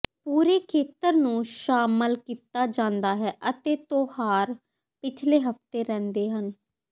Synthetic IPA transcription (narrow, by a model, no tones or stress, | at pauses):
puːɾeːkʰeːt̪əɾnũːʃaːməlkiːt̪aːd͡ʒãːnd̪aːɦɛːʔət̪eːt̪oːhaːɾ | pɪt͡ʃʰleːɦəft̪eːɾɛ̃ːnd̪eːɦən